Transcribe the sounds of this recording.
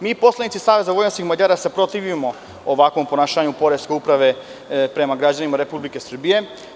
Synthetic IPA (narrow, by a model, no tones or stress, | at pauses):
miːpo̞slenit̪si̥saːʋe̞zaɡʋojnoskixmad͡ʑaɾase̞pɾo̞t̪iʋimo̞ | oʋakʋo̞mpo̞naːʃaːɲupo̞ɾeske̞upɾaʋe̞ | pɾe̞maɡɾad͡ʑanimaɾe̞publike̞sr̩bije̞